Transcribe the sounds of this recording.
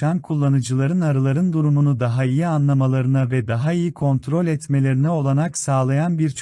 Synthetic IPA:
ankʰulˠːanɯd͡ʒɯlˠaɾɯnaɾɯlˠaɾɯnd̪uɾumunud̪aɦaijianlˠamalˠaɾɯnavɛd̪aɦaijikʰo̞nt̪ʰɾo̞lʲɛt̪me̞lʲe̞ɾinɛo̞lˠaɾaksaːlˠajanbiɾt͡ʃʰ

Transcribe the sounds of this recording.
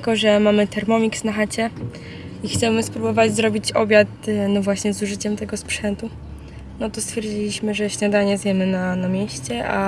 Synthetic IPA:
kɔʐɛmamɘt̪ɛɾmɔmʲiksnaxat͡ɕɛ | ixt̪sɛmɘspɾubɔvad͡ʑzɾɔbʲit͡ɕɔbʲjat̪nɔvwaɕɲɛzuʐɘt͡ɕɛmt̪ɛɡɔspʂɛnt̪u | nɔt̪ɔst̪fʲjɛɾd͡ʑilʲiɕmɘʐɛɕɲad̪aɲɛzʲjɛmɘnanamʲjeɕt͡ɕɛʔa

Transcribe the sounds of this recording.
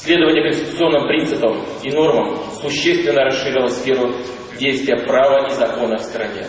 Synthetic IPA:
sʲlʲe̞d̪əvənʲɪjəkənʲsʲtʲɪt̪ʊt̪sɨo̞nːɨmpɾʲint̪sɨpəm | ino̞rməmsʊɕːest̪vʲɪnːəɾɐsʂːɨɾʲilˠəsfʲe̞ɾʊ | dʲejst̪vʲɪjəpɾavəʔizɐko̞nəfst̪ɾɐnʲḛ

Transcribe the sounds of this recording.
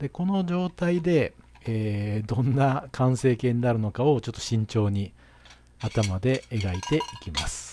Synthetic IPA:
d̪̥e̞ko̞no̞d͡ʑo̞ːt̪aid̪e̞ | eːd̪õ̞nːakʰãɰ̃se̞ːkẽ̞ːɲ̟inaɾɯ̟no̞kao̞t͡ɕot̪ːo̞ɕĩɲ̟t͡ɕo̞ːɲ̟i | at̪amad̪e̞ːɡait̪e̞ikʲima̰sɨ̥

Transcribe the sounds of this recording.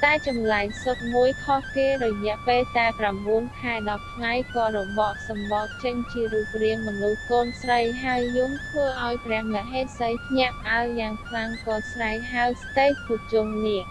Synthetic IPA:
t̪aɛt͡ɕɑmlaɛŋsot̪̚muəjkʰɑhkeːrɔjɛ̆əpeːlt̪aɛpramɓuənkʰaɛɗɑp̪̚ːʰŋajkɑːɾɔɓɑːʔ̚sɑmɓɑt̪̚t͡ɕəɲt͡ɕiəɾuːp̚riəŋmɔnuhkoːnsrəjɦaəjːʊmt̪ʰʋəːʔaɔjprɛ̆əhmlɛ̆ʔɦeːt̪̚səjpʰɲɛ̆əʔpə̆ʔaəljaːŋkʰlaŋkɑːsraɛŋɦaəwst̪eːc̚pɔt͡ɕuŋniəʔ

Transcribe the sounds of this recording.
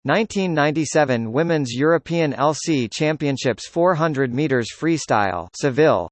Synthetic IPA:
nãɪ̃ntʰĩnːãɪ̃ntisɛvɨ̃nwɪ̃mɨ̃nzjʊɹɨpʰiɨ̃nɛ̰lˠsit͡ʃʰæ̃mpiɨ̃nʃɪpsfɔɹɦʌ̃ndɹɨd̚miɾə˞z̥fɹista̰ɪlˠsɨvɪ̰lˠ

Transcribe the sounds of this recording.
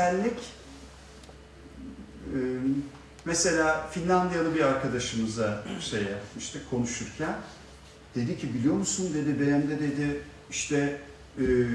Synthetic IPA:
ælʲːic | mese̞lʲaːfinlʲand̪ijanˠɯbiɾaɾkʰad̪aʃɯmɯzaʃejamɯʃt̪ʰɯkʰo̞nuʃuɾcʰæn | d̪̥e̞d̪icʰibilʲijo̞musund̪e̞d̪ibeɾæmd̪ɛd̪e̞d̪ɪ | iʃt̪ʰɛ

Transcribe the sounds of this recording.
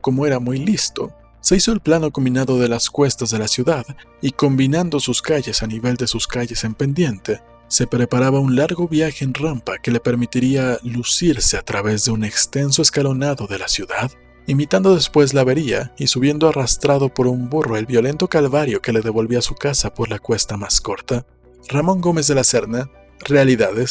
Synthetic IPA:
ko̞mo̞e̞ɾamujlist̪o̞̰ | se̞iso̞elplano̞ko̞mbinaðo̞ðe̞laskwe̞st̪azðe̞lasjuðað | iko̞mbinand̪o̞suskaʝe̞saniβe̞ld̪e̞suskaʝe̞se̞mpe̞nd̪je̞nt̪e̞ | se̞pɾe̞paɾaβaunlaɾɣo̞βjaxe̞ːnrampake̞le̞pe̞ɾmit̪iɾialusiɾse̞at̪ɾaβe̞zðe̞une̞kst̪e̞ns̬o̞eskalo̞naðo̞ðe̞lasjuðað | imit̪and̪o̞ðe̞spwe̞z̬laβe̞ɾia̰isuβ̞je̞nd̪oarast̪ɾaðo̞po̞ɾumburo̞e̞lβjo̞le̞nt̪o̞kalβaɾjo̞ke̞le̞ðe̞β̞o̞lβiasukasapo̞ɾlakwe̞st̪amasko̞ɾt̪a | ramõ̞ŋɡo̞me̞zðe̞lase̞ɾna | re̞aliðaðe̞s

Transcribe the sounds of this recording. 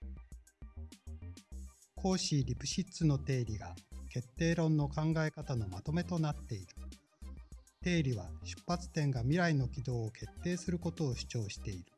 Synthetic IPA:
kʰo̞ːɕiːɾʲipɯ̟̥ɕit͡sɨno̞t̪e̞ːɾʲiɡake̞t̪ːe̞ːɾõ̞nːo̞kãŋɡae̞kat̪ano̞mat̪o̞me̞t̪o̞nat̪ːe̞iɾɯ̟̥ | t̪e̞ːɾʲiβaɕɨ̥pːat͡sɨ̥t̪ẽ̞ŋɡamʲiɾaino̞kʲid̪o̞ːokʰe̞t̪ːe̞ːsɨɾɯ̟ko̞t̪o̞ːɕi̥t͡ɕo̞ːɕi̥t̪e̞iɾɯ̟̥

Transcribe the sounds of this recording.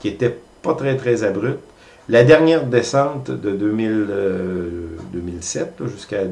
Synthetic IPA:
kʲiet̪ɛ | pat̪ʁɛt̪ʁɛzabʁyt̪ | lad̪ɛʁnjɛːʁd̪esɑ̃t̪d̪əd̪øːmil | d̪øːmilsɛt̪ʒyska

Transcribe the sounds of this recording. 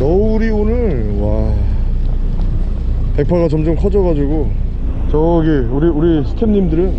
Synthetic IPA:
nʌuɾionɯn | wa | pe̞k̚pʰaɣat͡ɕʌmd͡ʑomkʰʌd͡ʑʌɣad͡ʑuɡo | t͡ɕʌiɡeuɾiuɾisʰɯ̥tʰemɲimdɯɾɯ

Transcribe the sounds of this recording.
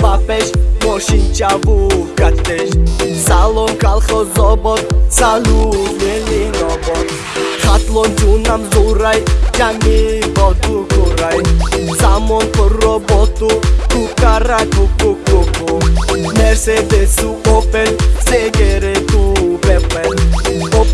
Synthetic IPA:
papɛʃmoʃint͡ʃavukat̪eʃsalɔnkalχɔzɔbɔt̪saluvelinɔbɔt̪ | χat̪lɔnd͡ʒunamzuɾajd͡ʒamivɔt̪ukuɾajsamɔnkɔrɔbɔt̪ukukaɾakukukokomɛɾsed̪esuopɛnseɡɛɾet̪uvɛpɛno

